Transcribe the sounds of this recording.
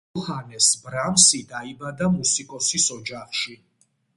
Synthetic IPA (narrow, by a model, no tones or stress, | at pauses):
χanɛsbɾamsid̪aibad̪amusikʼɔsisɔd͡ʒaχʃi